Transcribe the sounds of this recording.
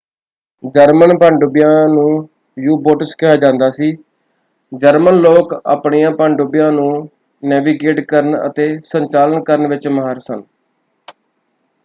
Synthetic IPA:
d͡ʒəɾmənpãːɳɖʊbɪjãːnũː | juːboːʈəskɪɦaːd͡ʒãːnd̪aːsiː | d͡ʒəɾmənloːka̰ːpɳijãːpãːɳɖʊbɪjãːnũː | nɛːʋiːɡeːʈkəɾənə̰t̪eːsəɲt͡ʃaːlənkəɾəɳʋɪt͡ʃməɦəɾsən

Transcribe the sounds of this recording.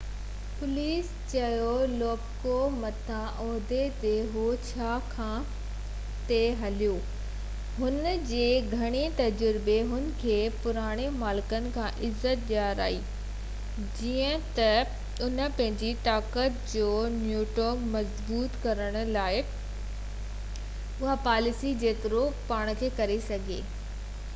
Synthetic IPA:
pʊliːs | t͡ɕɐjolɔːbkomɐt̪ʰãʔɔːɦd̪et̪eɦot͡ɕʰaːkʰãː | t̪eɦɐljoː | ɦʊnəd͡ʑeːɡʱɐɽ̃et̪ɐd͡ʑəɾɪbeɦʊnɪ̆kʰeːpʊɾaːɽ̃emaːlɪkənɪ̆kʰãːʔɪzːət̪̚ɗjaːɾa̰ːiː | d͡ʑiːə̃t̪ɐ | ʊnə̆pɐ̃ɦɪ̃ɲd͡ʑiʈaːkət̪d͡ʑoːnjuːʈomɐzbuːt̪kɐɾəɽ̃ʊ̆laːɪ | ʊɦapaːlɪsid͡ʑeːt̪ɪɾopaːɽ̃̆kʰeːkɐɾesɐɡʱeː

